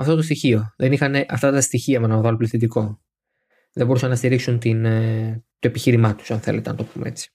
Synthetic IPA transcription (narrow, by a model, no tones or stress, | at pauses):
ɐft̪o̞t̪o̞st̪içio̞ðe̞nixɐneʔɐft̪ɐt̪ɐst̪içiɐmenɐvɐlopliθid̪iko̞ | ðebo̞ɾusɐnːɐst̪iɾiksunt̪in | t̪o̞e̞piçiɾimɐt̪u̥sɐnθe̞̰let̪enɐt̪o̞pumee̞̰t͡si̥